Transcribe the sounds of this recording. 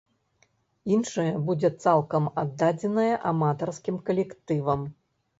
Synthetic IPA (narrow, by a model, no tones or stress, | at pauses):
inʂɐjɐbud͡zʲɛt̪salˠkɐmad̪ːad͡zʲɛnɐjɐʔamat̪ɐrskʲimkɐlʲɛkt̪ɨvɐm